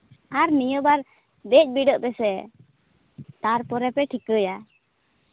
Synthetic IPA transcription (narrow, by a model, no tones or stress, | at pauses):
aɾmijəbaɾ | d̪ɛc̚ˀbiɖəʔpɛsɛ | t̪aɾpɔɾɛpɛʈʰikəja